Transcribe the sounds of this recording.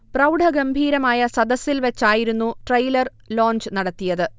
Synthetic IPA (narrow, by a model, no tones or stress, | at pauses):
prɐwɖʱɐɡɐmbʱiːɾɐmaːjɐsɐd̪ɐsilʋɐt͡ɕːaːjiɾunːuʈrɐjlɐr | lo̞ːnd͡ʑɨnɐɽɐt̪ːijɐðɨ